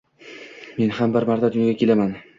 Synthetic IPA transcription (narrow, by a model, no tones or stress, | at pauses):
me̞nhambɪɾmaɾt̪ʰad̪ʊnjaɡʲakʲʰe̞laman